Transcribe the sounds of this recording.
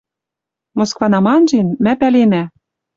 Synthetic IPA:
moskvɑnɑmɑnʒenmæpælenæ

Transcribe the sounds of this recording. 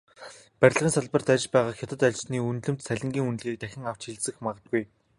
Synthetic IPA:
pæɾʲɪ̆ʁiːnsaɮpə̆rt̪æt͡ɕpæːʁaːkxʲat̪ə̆t̪at͡ɕtniːunɮɘ̆m̥t̪sæɮʲɪ̆ŋɡʲiːŋunɮɣiːk̚t̪æxʲɪ̆ŋaw̥t͡ɕxiɮsɘ̆xmaʁə̆t̪̚ɡuj

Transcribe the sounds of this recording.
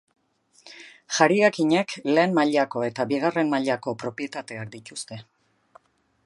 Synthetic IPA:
ʝaɾiakiɲe̞kle̞ːnmaʎako̞e̞t̪aβiɣ̞are̞mmaʎako̞pɾo̞pje̞t̪at̪e̞ak̚d̪it̪ust̪e̞

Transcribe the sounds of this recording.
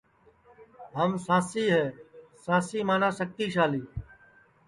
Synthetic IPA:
ɦəmsãːsiːɦɛːsãːsiːmaːnaːsək̚t̪iːʃaːliː

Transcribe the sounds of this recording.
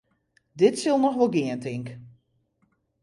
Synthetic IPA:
dɪtsɪlˠnɔxʋɔlˠɡɪəntɪŋk

